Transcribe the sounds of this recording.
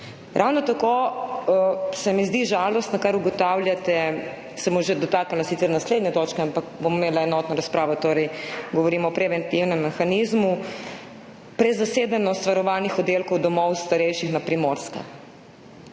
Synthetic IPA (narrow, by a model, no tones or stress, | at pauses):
ɾʔawnɔt̪ako | sɛmizd̪iʒalɔst̪nakaɾuɡɔt̪awljat̪ɛ | sɛmɔʒed̪ɔt̪aːkalasit̪sɛɾnasleːd̪nɲɛt̪ɔːt͡ʃkɛampakbomimeːlaɛnɔːt̪nɔɾaspɾaːʋɔt̪oːɾɛjɡɔʋɔɾimɔːpɾɛʋɛnt̪iwnɛmːɛxanizmu | pɾɛzaseːd̪anɔst̪ʋaɾɔʋaːnixɔd̪elkɔwd̪ɔmɔwst̪aɾɛjʃixnapɾimoɾska̰